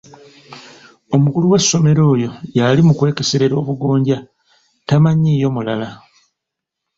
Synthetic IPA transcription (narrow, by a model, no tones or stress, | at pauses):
o̞mukuluwe̞sːo̞me̞ɾo̞ːjo̞jalimukwe̞ːke̞seɾe̞ɾo̞ːβuɡo̞ːɲɟa | tamaɲiːjo̞mulala